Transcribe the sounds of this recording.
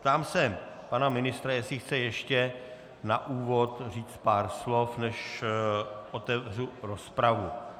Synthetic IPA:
pt̪aːmsɛ | panamɪnɪst̪ɾajɛsɪxt͡sɛjɛʃcɛ | naʔuːvo̞t̪riːt͡st̪̚paːɾslo̞fnɛʃ | ʔot̪ɛvruɾospɾavu

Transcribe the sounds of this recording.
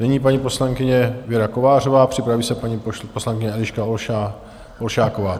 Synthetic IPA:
nɛɲiːpaɲipo̞slaŋkɪɲɛvjɛɾakovaːr̝ovaːpr̥ɪpɾaviːsɛpaɲiposlaŋkɪɲɛɛlɪʃkaoa | ʔolʃaːkovaː

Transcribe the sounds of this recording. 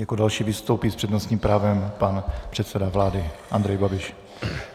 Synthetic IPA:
jakodalʃiːvɪst̪owpiːspr̥ɛdnost̪ɲiːmpɾaːvɛmpanpr̝̥ɛt̪sɛdavlaːdɪʔand̪ɾɛjbabɪʃ

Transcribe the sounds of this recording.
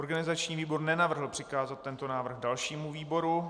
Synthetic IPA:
oɾɡanɪzat͡ʃɲiːviːbo̞rnɛnavr̩ɦl̩pr̥ɪkaːzat̪̚ːɛnt̪onaːvr̩ɣdalʃiːmuviːbo̞ɾu

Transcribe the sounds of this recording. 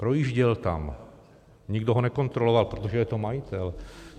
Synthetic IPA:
pɾojiʒɟɛlt̪a̰m | ɲiɡd̪ɔɦɔnɛkɔnt̪ɾɔlɔʋalpɾot̪ɔʒɛjɛt̪omajit̪ɛl

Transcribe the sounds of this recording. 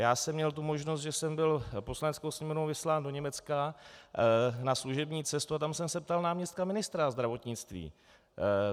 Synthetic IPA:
jaːsɛmɲɛlt̪̬umo̞ʒnost̪ʒɛsɛmbɪlpo̞slanɛt͡skowsɲɛmonowvɪslaːndo̞ɲɛmɛt͡ska | nasluʒɛbɲiːt͡sɛst̪uat̪amsɛmsɛpt̪alnaːmɲɛst̪̚kamɪnɪst̪ɾazd̪ɾavo̞t̪ɲɪt͡st̪vḭː

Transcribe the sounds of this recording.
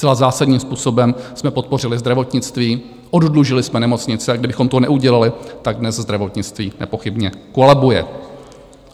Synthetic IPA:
st͡sɛlazaːsadɲiːmspuːso̞bɛmsmɛpo̞t̪̚po̞r̝ɪlɪzd̪ɾavo̞t̪ɲɪt͡st̪viː | ʔoddluʒɪlɪsmɛnɛmo̞t͡sɲɪt͡sɛaɡdɪbɪxo̞mt̪onɛʔuɟɛlalɪt̪aɡ̚dnɛzzd̪ɾavo̞t̪ɲɪt͡st̪viːnɛ̰po̞xɪbɲɛkolɛbujɛ̰

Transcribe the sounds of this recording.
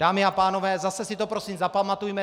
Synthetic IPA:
d̥aːmɪapaːno̞vɛːzasɛsit̪o̞pɾo̞siːmzapamat̪ujmɛ

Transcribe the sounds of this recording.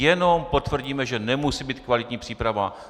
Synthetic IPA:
ɛno̞mpo̞t̪vr̩ɟiːmɛʒɛnɛmusiːbiːt̪kvalɪt̪ɲiːpr̝̥iːpɾava

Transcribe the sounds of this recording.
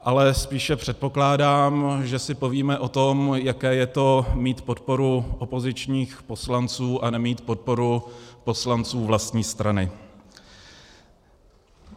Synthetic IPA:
ʔalɛspiːʃɛpr̥ɛt̪̚po̞klaːdaːmʒɛsɪpo̞viːmɛʔo̞t̪o̞mjakɛːjɛt̪o̞miːt̪po̞t̪po̞ɾuʔopo̞zɪt͡ʃɲiːxpo̞slant͡suːʔanɛmiːt̪po̞t̪̚po̞ɾupo̞slant͡suːvlast̪ɲiːst̪ɾʔanɪ

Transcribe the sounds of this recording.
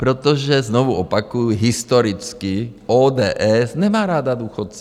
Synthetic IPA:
pɾɔt̪ɔʒɛznɔʋuɔpakujuɦist̪ɔɾit͡skiɔːd̪ɛːʔɛznɛmaːɾaːd̪ad̪uːxɔt̪t͡s

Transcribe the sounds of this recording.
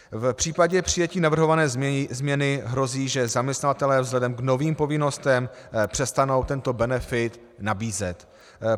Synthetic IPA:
fpr̥iːpaɟɛpr̝̥ɪjɛciːnavr̩ɦovanɛːzmɲɛnɪɦɾo̞ziːʒɛzamɲɛst̪navat̪ɛlɛːvzɦlɛdɛmɡno̞viːmpo̞vɪno̞st̪ɛmpr̥ɛst̪ano̞wt̪ɛnt̪o̞bɛnɛfɪt̪ | nabiːzɛt̪

